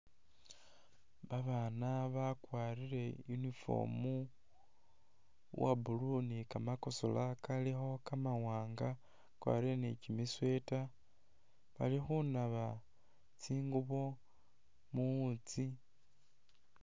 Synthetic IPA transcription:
βaβanaβakwaɾiɾe̞junifo̞̰ːmu | wa̰bulunikamako̞so̰lakalixo̞kamawaːŋɡa | kwa̰ɾienecimiswe̞ta | βa̰lixunaβa | t͡siːŋɡuβo̞ | muut͡si

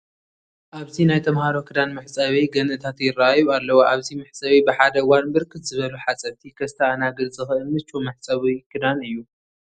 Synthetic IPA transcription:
ʔaβzinajt̪ʰɐmhaɾo̞kʰɨd̪anmɨħt͡sʼɐβiɡɐnʔɨt̪ʰat̪jɪraajualːɐwoʔaβzimɨħsʼɐβibɨħad̪ɐwanbɨɾkʰɨt̪z̥ɨβɐluħat͡sʼɐβt̪ʰikʰɐst̪ʰɐanaɡɨlzɨxʔɨlmɨt͡ʃːʼomɐħsʼɐβikʰɨd̪anɨjːu

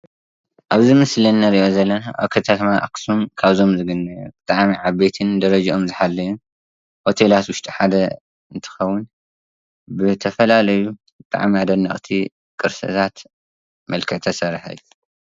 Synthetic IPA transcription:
ʔaβzɨmɨslɐnːɐɾiʔo̞zɐlːɐnaʔaβkʰɐt̪ʰat̪ʰmaʔa̰ksumkʰaβzo̞mzɨɡɨnːɐjubɨt̪ʼaʕmiʕaβbet̪ʰɨnd̪ɐɾɐd͡ʒaomzɨħalːɐju | hot̪ʰe̞lat̪wʊʃt̪ʼiħad̪ɐ | ɨnt̪ʰɨ̥xɐwːʊn | bɨt̪ʰɐfɐlalɐju | bɨt̪ʼa̰ʕmiad̪ɐnːaχʼt̪ʰi | kʼɨɾsɐ̰t̪ʰat̪ | mɐlkʰɨʕt̪ʰɐsɐɾħɐ̰jːu

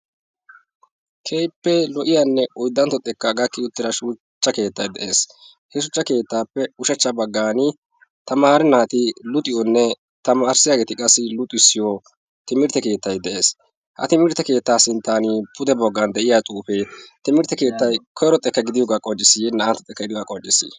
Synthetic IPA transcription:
kʰejpːɛlɔʔɪjanːɛʔɔjd̪ːɐnt̪ɔt̪ʼːɛkːɐɡɐkːɪʊt̪ːɪɾɐʃuː | t͡ʃːɐke̞ːt̪ːɐjd̪ɛʔe̞ːs | hɛʃʊt͡ʃːɐke̞ːt̪ːaːpːɛʊʃɐt͡ʃːɐbɐɡːaːnɪ | t̪ɐmaːɾɛnaːt̪ɪlʊt̪ʼɪjɔnːɛ | t̪ɐmaːɾsɪjaɡeːt̪ɪkʼɐsːɪlʊt̪ʼʊɪsːɪjo | t̪ɪmɪɾt̪ːɛke̞ːt̪ːɐjd̪ɛʔe̞ːs | hɐ̰t̪ɪmɪɾt̪ːɛke̞ːt̪ːaːsɪnt̪ːaːnipʰʊd̪ɛbɔɡːɐnd̪ɛʔɪjat͡sʼuːfet̪ɪmɪɾt̪ːɛke̞ːt̪ːɐjkʰɔjɾɔt̪ʼːɛkːɐɡɪd̪ɪjɔɡakʼɔd͡ʒːɪsːɪjɛnɐʔɐnt̪ːɔt̪ʼːɛkːɐɡɪd̪ɪjɔɡakʼɔd͡ʒːɪsːɪ̰

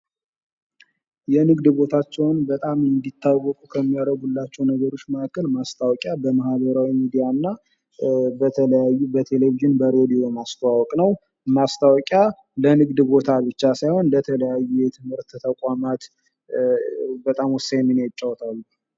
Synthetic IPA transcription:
jɛnɨɡd̪bo̞t̪ʰat͡ʃːɛwnbət̪ʼamɨnd̪it̪ʰːawːɔkʼukʰəmːijaɾəɡulːat͡ʃːɛwnəɡəɾo̞t͡ʃːməkːəlmast̪ʰawɔkʼjabəmahbəɾawimid̪ijanːa | bəəjabət̪ʰe̞le̞viʒɨnbəɾed̪io̞mast̪awɔkʼnəw | mast̪ʰawɔkʼja | lənɨɡd̪bo̞t̪ʰabɨt͡ʃːasajho̞nlət̪ʰələjajːujɛt̪ʰɨmhɨɾt̪ʰːt̪ʰəkʼamat̪ | bət̪ʼamwɔsːajminat͡ʃʼːawt̪ʰal

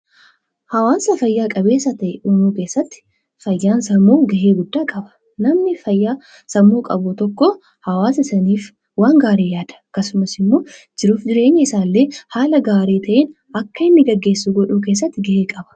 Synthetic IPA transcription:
hɐwaːsɐfɐjːaːkʼɐbe̞ːsɐt̪ɐʔɛʔuːnuːke̞ːsːɐt̪ːɪ̥ | fɐjːaːnsɐmuːɡɐʔeːɡʊd̪ːaːkʼɐbɐ̥ | nɐmnɪfɐjːaː | sɐmuːkʼɐbʊt̪ɔkːɔ | hɐwaːsɪsɐniːf | waːŋɡaːɾeːjaːd̪̥ɐ̥ɐkːɐsʊmɐsɪmːoː | d͡ʒɪɾuːfd͡ʒɪɾe̞ːɲːɐɪsaːlːeːhaːlɐɡaːɾiːt̪ʰɐʔeːn | ɐkːɐɪnːɪɡɐɡːe̞ːsːuːɡɔᶑuːke̞ːs̬ːɐt̪ːɪɡɐʔeːkʼɐbɐ̥

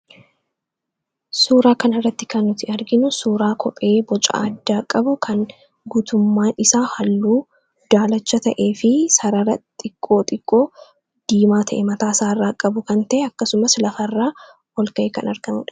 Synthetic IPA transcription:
suːɾaːkɐnɪrːɐt̪ːɪ̥kɐnːʊt̪ɪɐɾɡɪnʊsuːɾaːkʰɔpʼe̞ːbɔt͡ʃʼa̰ːɐd̪ːaːkʼːɐbʊkʰɐŋ | ɡuːt̪ʊmːaːnɪsaːhɐlːuː | d̪̥aːlɐt͡ʃːɐt̪ɐʔe̞ːfɪsɐɾɐrɐt̪ʼɪkʼːo̞ːt̪ʼɪkʼːo̞ː | d̪̥iːmaːt̪ʰɐʔɛmɐt̪aːsaːrːakʼːɐbʊkɐnt̪ɐʔɛɐkːɐsʊmɐslɐfɐrːaː | wɔlkɐʔekɐnɐɾɡ̥ɐmṵːᶑɐ̥

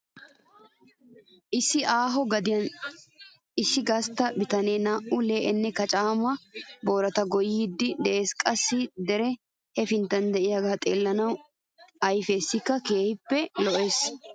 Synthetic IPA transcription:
ʔɪsːɪʔaːɦɔɡɐd̪ɪjɐn | ɪsːɪɡɐst̪ɐbɪt̪ɐne̞ːnaːʔuleːʔɛnːɛkɐt͡ʃʼaːmɐbo̞ːɾɐt̪ɐɡɔjɪːd̪ːɪd̪ɛʔeːskʼɐsːɪd̪ɛɾɛ | hɛfɪnt̪ɐnd̪ɛʔɪjɐɡaːt̪ʼeːlːɐnɐw | ɐjfeːsːɪkːɐke̞ːhɪpːɛlɔʔe̞ːs

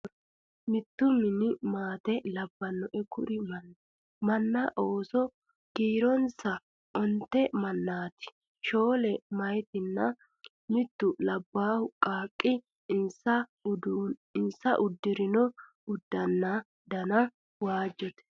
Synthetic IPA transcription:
mɪt̪ːʊmɪnɪmaːt̪ɛlɐbːɐnːɔʔɛkʊɾɪmnː | mɐnːɐʔoːsɔ | ɡ̥iːɾɔnsɐ | ʔɔnt̪ːɛmɐnːaːt̪ɪ̥ | ʃo̞ːlɛmɐjt̪ɪnːɐ | mɪt̪ːʊlɐbːaːhʊkʼaːkʼːɪ | ɪnsɐdɪnsɐʔʊd̪ːɪɾɪnɔ | ʊd̪ːɐnːa | d̪ɐnɐ | waːd͡ʒːɔt̪ɛ̥

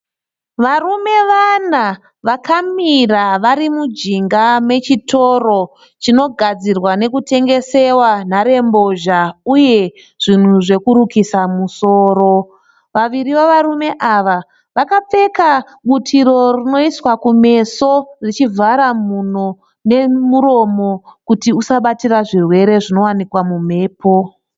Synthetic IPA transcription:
ʋarume̞ʋana | ʋakamiraʋaɾimud͡ʒiŋɡamwe̞t͡ʃito̞ro̞ | t͡ʃino̞ɡʱad͡zirwane̞kute̞ŋɡe̞se̞wan̤aɾe̞mbo̞ʒauje̞ | ʐ̥in̤uʐe̞kuɾukisamuso̞ːɾo̞ | ʋaʋiɾiʋaʋaɾume̞ʔaʋa | ʋakap͡fe̞ka | ɓutʰiɾo̞rino̞iswakume̞so̞rit͡ʃivaɾamun̤o̞ | ne̞muɾo̞mo̞kutiusaɓatiraʐirwe̞ɾe̞ʐino̞wanikwamum̤e̞ːpo̞

